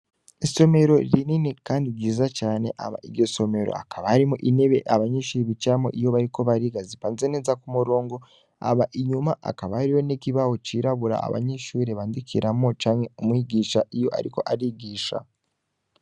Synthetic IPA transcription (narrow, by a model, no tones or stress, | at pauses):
iso̞me̞ɾo̞ɾiniːnikaːndiɾɟiːzat͡ʃaːne̞ʔa̰βa̰iɾɟo̞so̞me̞ɾo̰a̰kʰaβaaɾimuʔine̞βe̞ʔaβaɲeʃuɾeβit͡ʃamo̰ʔijo̞βaɾiko̞βaɾiɡazipaːnzenezakumuɾo̞ːŋɡo̞ | a̰βaʔiɲumaʔa̰kaβaaɾiwo̞nekiβaho̞t͡ʃiɾaβuɾa̰a̰βa̰ɲeʃuːɾeβaːndikʰiɾʔamot͡ʃaːɲe̞umwiɡiːʃaʔijo̞ʔa̰ɾiko̞ʔaɾiɡiːʃa̰